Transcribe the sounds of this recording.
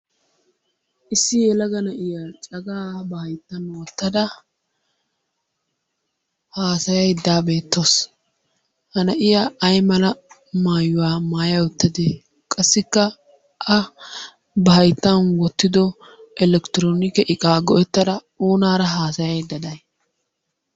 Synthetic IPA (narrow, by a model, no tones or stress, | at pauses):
ʔɪsːɪjɛlɐɡɐnɐʔɪjat͡ʃʼɐɡaːbɐhɐjt̪ːɐnwɔt̪ːɐd̪ɐ | haːsɐjɐjd̪ːaːbe̞ːt̪ːos | hɐnɐʔɪjɐɐjmɐlɐ | maːjʊwaːmaːjɐwɔt̪ːɐd̪e | kʼɐsːɪkːɐ | ʔɐ | bɐɦɐjt̪ːɐnwɔt̪ːɪd̪ɔ | ʔɛlɛkt̪ɪɾoːnɪkɛʔɪkʼaːɡɔʔɛt̪ːɐd̪ɐ | oːnaːɾɐɦaːsɐjɐjd̪ːɐd̪ɐj